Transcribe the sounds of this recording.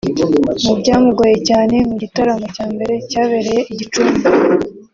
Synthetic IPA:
mubɟaːmuɡo̞je̞caːne̞muɟitaɾamo̞caːmbe̞ɾe̞caːβe̞ɾe̞je̞ʔiɟit͡ʃumi

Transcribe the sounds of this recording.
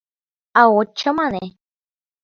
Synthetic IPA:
aot͡ʃːamãne

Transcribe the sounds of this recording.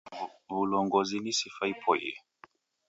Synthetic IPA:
vulɔŋɡɔzinisifaipʰɔjɛ̰

